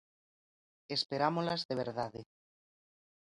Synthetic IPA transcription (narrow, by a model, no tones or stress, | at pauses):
espeɾamolazðeβ̞ḛɾðaðe